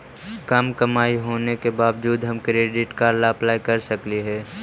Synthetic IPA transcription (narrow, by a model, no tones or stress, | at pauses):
kɐmkɐmaːiɦoːnekebaːʋd͡ʒuːd̪ɦɐmkɾeːɖɪʈkaɾlaɐplaːikɐɾsɐkliɦɛː